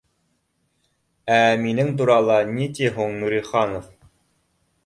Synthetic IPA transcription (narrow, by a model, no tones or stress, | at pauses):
æminɘŋt̪uɾɑlˠɑnit̪iɦuɴnuɾiχɑnof